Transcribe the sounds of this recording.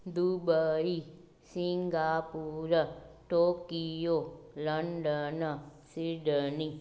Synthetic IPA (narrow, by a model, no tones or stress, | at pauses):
d̪ubəi | siŋɡaːpuɾəʈoːkijoləɳɖənəsiɖəni